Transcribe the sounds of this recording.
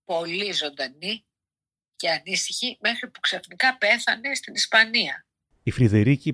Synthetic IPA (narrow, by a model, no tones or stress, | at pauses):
po̞lizo̞nd̪ɐni | ce̞ɐnist̪içime̞xɾipuksɐθnikɐpe̞θɐne̞st̪inispɐniɐ | ifɾiðeɾici